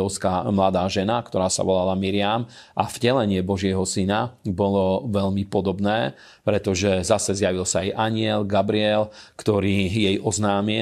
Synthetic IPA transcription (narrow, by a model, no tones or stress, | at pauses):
ɔʊskamlad̪aːʒɛnakt̪ɔɾaːsa̰ʋɔlalamiɾɪam | ʔavɟɛlɛɲɪɛbɔʒɪɛɦɔsinabɔlɔʋɛʎmipɔd̪ɔbnɛː | pɾɛt̪ɔʒɛzasɛzjaʋilsaːjʔaɲɪɛlɡabɾiɛlkt̪ɔɾiːjɛjʔɔznaːmi